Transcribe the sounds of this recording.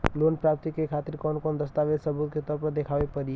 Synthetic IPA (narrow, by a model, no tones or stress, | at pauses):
loːnpɾaːp̚t̪ikekʰaːt̪ɪɾkɔːnkɔːnd̪əst̪aːʋesɐbuːt̪̚ket̪ɔːɾpɐɾd̪ekʰaːʋepɐɾi